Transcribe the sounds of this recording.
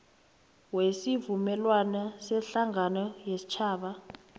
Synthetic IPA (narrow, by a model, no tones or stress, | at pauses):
wesivumɛlwanasɛɬaŋanɔjesi̥t͡ʃʰaːɓa